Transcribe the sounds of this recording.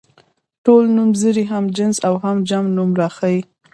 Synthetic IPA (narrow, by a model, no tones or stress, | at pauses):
ʈolnumzəɾiɦamd͡ʒɪnzawɦamd͡ʒamnumɾɑxaji